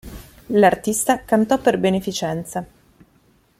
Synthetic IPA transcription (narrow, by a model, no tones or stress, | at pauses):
lart̪ist̪akant̪ɔpːerbenefit͡ʃɛnt̪sa